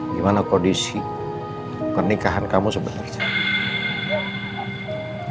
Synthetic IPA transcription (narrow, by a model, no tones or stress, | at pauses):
imanakɔɖisi | pərnikaɦankamũsəmbəd̪a̰lt͡ʃʰɛ